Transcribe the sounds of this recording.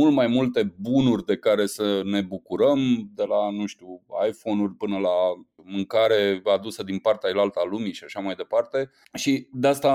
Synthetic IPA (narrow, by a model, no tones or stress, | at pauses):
ult̪majmult̪e̞bunurʲd̪e̞kaɾe̞səne̞bukuɾəmd̪e̞lanuʃt̪ua̰jfo̞nurʲpɨnəla | mɨŋkaɾe̞ad̪usəd̪inpart̪ealalt̪alumiʃiaʃamajd̪e̞part̪e̞ | ʃid̪east̪a